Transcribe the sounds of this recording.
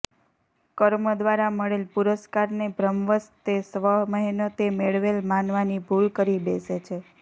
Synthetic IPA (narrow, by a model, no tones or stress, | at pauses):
kəɾməd̪ʋaɾaməɭelpuɾəskaɾnebʱɾəmʋəst̪esʋəɦməɦinot̪emeɭʋelmanʋanibʱulkəɾibeset͡ʃʰe